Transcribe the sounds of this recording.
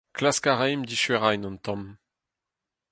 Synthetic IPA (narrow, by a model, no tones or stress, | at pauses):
klaskaʁɛjmd̪iʃɥɛʁajnɑ̃nt̪ɔ̃m